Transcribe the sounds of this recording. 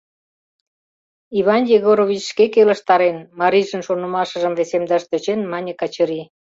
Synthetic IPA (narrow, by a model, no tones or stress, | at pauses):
iβɑnjeɣoɾoβʲit͡ɕʃkekelə̆ʃt̪ɑɾenmɑɾiʒənʃonəmɑʃə̆ʒəmvesemd̪ɑʃt̪øt͡ɕenmɑnʲə̆kɑt͡ɕəɾi